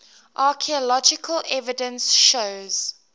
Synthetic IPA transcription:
ʔɑːˑkʰiəlɔd͡ʒɪkʰəlɛvɪdə̃nsʃoʊz̥

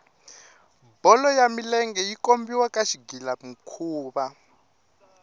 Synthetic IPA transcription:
bɔlɔjamilɛŋɡɛjikombiwakaʃiɡilam̩kʰuːβa

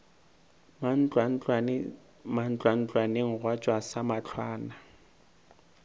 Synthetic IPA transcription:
n̩t͡ɬʼwa | man̩t͡ɬʼwan̩t͡ɬʼwaneŋ̩ɣwat͡ʃʼwasamat͡ɬʰwaːna

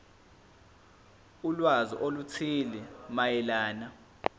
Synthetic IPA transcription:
ulwazḭʔolut͡sʰilimajɛlaːna

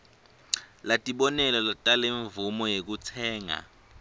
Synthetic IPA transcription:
latʼiɓɔnɛlɔlatʼaleɱvumɔjek̬ut͡sʰɛːŋa̰

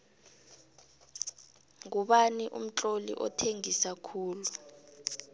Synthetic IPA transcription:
ŋuɓaniʔṵm̩t͡ɬʼolḭʔɔ̰tʰeŋisakʰuːlu

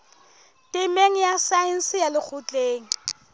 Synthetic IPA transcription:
tʼɪmeŋ̩jasaɪn̩sɪjalɪk͡xʰʊt͡ɬʼeːŋ̩

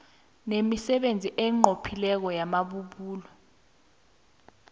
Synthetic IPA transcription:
nemisɛɓend͡zʱiʔɛŋ͡ǃʱopʰilɛk̬ɔjamaɓuɓuːlɔ

